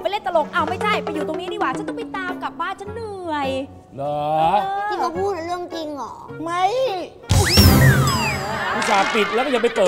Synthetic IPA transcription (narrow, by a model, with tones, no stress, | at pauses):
pa˧leː˦˥˩t̪a˧lo˨˩ŋ̚ʔa˧˩wma˥˩jt͡ɕʰa˥˩jpa˧jːu˨˩t̪o˧ŋniː˦˥diː˧˩waː˧˩t͡ɕʰa˦˥nt̪ɔ˥˩pi˧˩t̪aː˧mka˨˩p̚baː˥˩nt͡ɕʰa˦˥nːɯ˨˩əj | lɔː˦t̪ʰi˧˩ma˧pʰuː˥˩t̪̚a˧˩ɾɯ˥˩əŋt͡ɕi˧ŋɔː˨˩ma˦˥˩j | kʰuː˦˧˩sʰaː˨˦pi˨˩t̪̚lɛ˦˥wkːɔ˧˩ja˧pa˧jtɤː˨˩